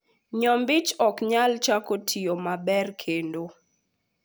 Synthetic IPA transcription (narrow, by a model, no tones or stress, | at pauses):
ɲɔmbɪt͡ʃɔkɲalt͡ʃakotʰiomabɛrkʰendo